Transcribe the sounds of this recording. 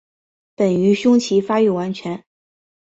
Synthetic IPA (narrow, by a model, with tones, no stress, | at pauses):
pə˨˩ny˧˥ɕʊ˥ŋt͡ɕʰi˧˥fa˥y˥˩wa˧˥nt͡ɕʰɥɛ˧˥n